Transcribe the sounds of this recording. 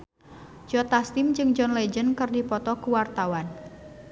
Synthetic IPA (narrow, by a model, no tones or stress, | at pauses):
d͡ʒɔt̪ast̪ɪmd͡ʒɨŋd͡ʒɔnlɛd͡ʒənkɨrdipɔt̪ɔkuwart̪awan